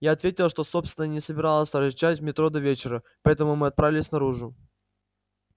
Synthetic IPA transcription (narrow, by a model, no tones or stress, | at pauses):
jaɐt̪vʲetʲɪlˠʂt̪o̞so̞pst̪ʲɪnənʲɪsəbʲɪɾalˠəsʲt̪ɐɾɪt͡ɕatʲvmʲɪt̪ɾod̪ɐvʲet͡ɕɪɾə | pɐɛt̪əmʊmɨɐt̪̚pɾavʲɪlʲɪsʲnɐɾuʐʊ